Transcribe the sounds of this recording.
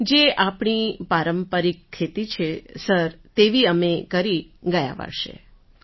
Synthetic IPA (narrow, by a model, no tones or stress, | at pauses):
d͡ʒeʔapɳipaɾəmpəɾikʰːet̪it͡ʃʰesəɾt̪eʋiəmekəɾiɡəja̰ʋə̰ɽʃḛ